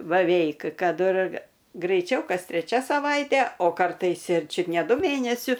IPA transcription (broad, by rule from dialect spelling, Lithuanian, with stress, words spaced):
bɐˈʋʲɛɪk ˈkɐt ɪr ɡrɐɪˈt͡ʃʲɛʊ ˈkɐs tʲrʲɛˈt͡ʃʲɛ sɐˈʋɐɪtʲɛ oː kɐrˈtɐɪs ɪr ˈt͡ʃʲʊt nʲɛ ˈdʊ ˈmʲeːnʲɛsʲʊ